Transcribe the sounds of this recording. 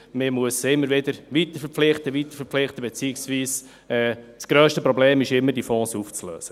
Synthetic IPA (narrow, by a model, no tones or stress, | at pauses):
mɪmuəsɪmːəɾʋɪdəɾʋit̪əfəp͡flɪχt̪əʋit̪ə̥ɾfəɾflɪχt̪əbet͡siːɪksʋiːs | ɛːt͡sɡ̥ɾøːʃtəpɾɔbleːmɪʃɪmːəɾdifɔ̃ːsuft͡slø̰ːsə